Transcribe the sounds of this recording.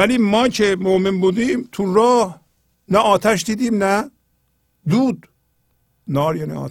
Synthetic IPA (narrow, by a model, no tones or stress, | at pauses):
æliːmɒːcʰemoʔmenbuːd̪iːmt̪ʰuɾɒːh | næʔɒːt̪ʰæʃd̪iːd̪iːmnæ | d̪uːd̪ | nɒːɾjɑːnḭɒ̰ː